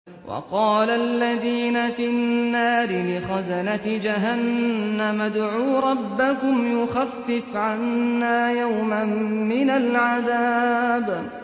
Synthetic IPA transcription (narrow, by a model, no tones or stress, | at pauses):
wʔɑ̰qɑːlaʔalːaðiːnafinnːaːɾɪlɪxazanat̪ɪd͡ʒaɦanːamad̪ʕuːɾˤɑbːakʊmjʊxafːɪfʕanːaːjawmamːɪnalʕaðaːb